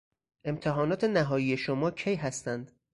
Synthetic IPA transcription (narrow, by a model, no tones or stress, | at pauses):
ʔe̞mt̪ʰeɦɒːnɒːt̪ʰe̞næɦɒːjiːje̞ʃomɒːcʰejɦæst̪ænd̪̥